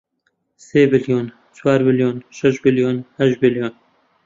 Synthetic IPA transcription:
seːbɪljoːn | t͡ʃʰwaːɾbɪljoːnʃɛʃbɪljoːnhɛʃbɪljoːn

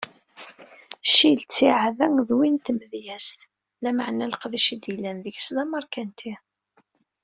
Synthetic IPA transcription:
ʃilt͡sːiʕavæŋðwint̪məðjæsθ | læməʕnæləqðiʃid̪ilːænðəʝslɑmɑɾˤkænt̪ʰi

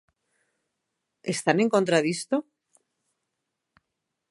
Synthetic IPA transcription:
est̪anẽ̞ŋko̞nt̪ɾaðist̪o

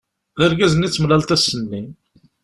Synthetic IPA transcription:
ðəɾɡæzənit͡sːəmlælt̪æsːənːin

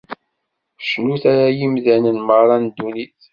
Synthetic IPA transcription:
ʃnuθaɾajimðænənmərˤɑnd̪uniθ

